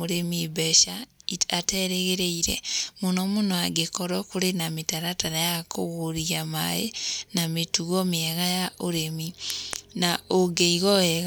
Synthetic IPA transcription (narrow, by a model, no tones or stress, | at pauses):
uɾemibeʃaiateɾeɣeɾeiɾḛmunomunoaɡekoɾokuɾenametaɾatanajako̰ɣoɾiama̰jḛnametuɣomieɣajaoɾeminaoɡeiɣoɛɣ